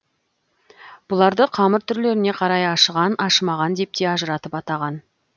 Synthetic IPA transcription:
b̥ʊlˠɑɾd̪əqʰɑməɾt̪ʰʏɾle̞ɾɪne̞qʰɑɾɑjɑʃəʁɑnɑʃəmɑʁɑnd̪e̞p̚t̪e̞ɑʒəɾɑt̪əpɑt̪ɑʁɑn

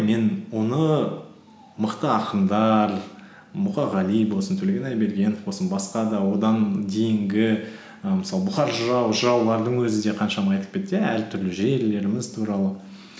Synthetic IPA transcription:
me̞nwo̞nə | məqt̪əɑqənd̪ɑɾ | mʊχɑʁɑlijbo̞lˠsənt̪ʰɵleɡʲenɑjbe̞ɾɡʲe̞nfbosənbɑsqɑd̪ɑwo̞d̪ɑnd̪e̞jɪŋɡʲɪ | əməsɑlˠəbʊχɑɾʒəɾɑwʒəɾɑwlˠɑɾd̪əɴwɵzɪd̪e̞qʰɑnʃɑmɑɑjt̪əp̚kʲe̞t̪ːjææɾt̪ʰʏɾlɪʒe̞ɾle̞ɾɪmɪzt̪ʰuɾɑlˠə

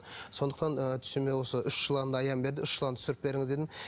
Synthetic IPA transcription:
so̞nd̪əqt̪ɑnət̪ʰʏ̥semewo̞səʏʃʒəlˠɑnd̪ɑɑjɑmbe̞ɾd̪ɪʏʃːəlˠɑnt̪ʰɪsɪɾɪp̚be̞ɾɪŋɪzd̪e̞d̪ɪn

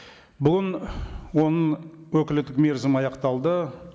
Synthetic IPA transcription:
bʊɡənwo̞nəwɵkʲɪlt̪ːɪkme̞ɾzɪmɑjɑqt̪ɑlˠd̪ə

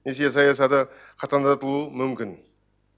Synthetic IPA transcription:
esʲesɑjɑs̬ɑt̪ə | qʰɑt̪ɑnd̪ɑt̪əlˠuəmʏmkʲɪn

